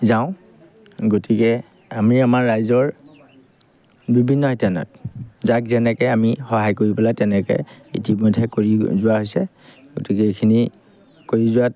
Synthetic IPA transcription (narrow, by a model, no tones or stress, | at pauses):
zaʊ̃ | ɡotikɛ | amiamaɹːajzɔɹ | bibʱinːɔɦitanɔ̰t̚zakzɛnɛkɛamixɔɦajkoɹipɛlatɛnɛkɛ̰ḭtimɔjdʱɛkoɹizʊwaɦojsɛ | ɡotikɛekʰini | koɹizʊwa